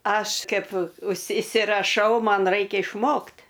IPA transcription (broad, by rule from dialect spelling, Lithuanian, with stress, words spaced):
ˈɐʃ ˈkɐɪp ʊʃʲsʲɪ ɪsʲɪrɐˈʃɐʊ ˈmɐn ˈrɐɪkʲɛ ɪʃˈmoːkt